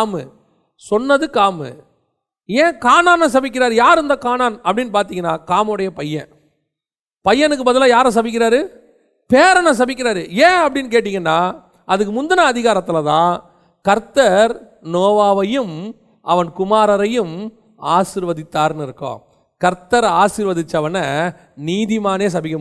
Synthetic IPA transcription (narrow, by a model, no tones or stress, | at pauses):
mɯ̰ | sɔnːɐðɯkaːmɯ̰ | ẽːkaːnaːnɐ̃s̬ɐbɪk̬ʲːɪɾaːɾɯjaːɾɯnd̪ɐkaːnaːnɐpːɐɽɪnːɯpaːɾt̪iŋɡɐnːaːkaːmɐɯɽɐjɐpɐjːɛ̰̃ | pɐjːɐnɯk̬ːɯbɐðɯlaːjaːɾɯs̬ɐbɪk̬ːɪɾaːɾɯ | peːɾɐnɐ̃s̬ɐbɪk̬ʲːɪɾaːɾɯẽːɐpːɐɽɪnːk̬eːʈ̬ːɪŋɡɐnːaː | ɐðɯk̬ːɯmʊnd̪ɐnɐːðɪɣaːɾɐt̪ːɪlɐt̪ã̰ː | kɐɾt̪ːɐɾ | noːʋaːʋɐjɯm | ɐʋɐnkʊmaːɾɐɾɐjɯm | aːsɪɾʋɐðɪt̪ːaːɾnɪɾɯkːõ̰ː | kɐɾt̪ːɐɾaːsɪɾʋɐðɪt͡ʃːɐʋɐnɐ | niːðɪmaːneːs̬ɐbɪkːɐm